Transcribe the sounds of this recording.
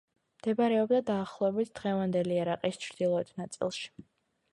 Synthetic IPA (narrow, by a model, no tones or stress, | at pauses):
md̪̥ɛbaɾɛɔbd̪ad̪aːχlˠɔɛbit̪ʰd̪̥ʁɛvand̪ɛliaɾaqʼist͡ʃʰɾd̪̥ilˠɔɛt̪ʰnat̪sʼḭlˠʃi̥